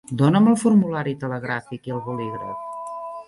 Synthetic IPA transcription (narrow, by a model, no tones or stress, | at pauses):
d̪onəməlˠfuɾmulaɾit̪ələɣɾafikiəlˠβuliɣɾə̰f